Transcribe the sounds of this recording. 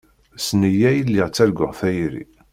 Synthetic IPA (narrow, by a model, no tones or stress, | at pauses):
snəjæjəlːiʁt͡sːæɾɡʊ̰ʁfæjɾḭ